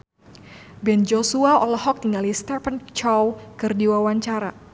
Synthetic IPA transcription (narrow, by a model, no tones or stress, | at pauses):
bɛnd͡ʒosuaɔlɔhɔk̚t̪iŋalist̪ɛfənt͡ʃɔwkɨrdiwawaɲt͡ʃaɾa